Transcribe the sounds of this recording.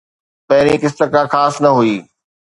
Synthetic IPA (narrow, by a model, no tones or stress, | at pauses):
pɐɦɪɾikɪst̪əkãxaːsnɐɦuiː